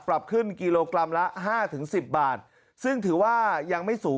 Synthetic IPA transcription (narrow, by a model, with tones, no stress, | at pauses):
pɾa˨˩p̚kʰɯ˥˩nkiː˧loː˧kla˧mla˦˥ʔɦaː˥˩t̪ʰɯ˩˦ŋsi˨˩p̚baː˨˩t̪̚ | sɯ˥˩ŋt̪ʰɯː˩˦waː˥˩ja˧ŋma˥˩jsuː˩˦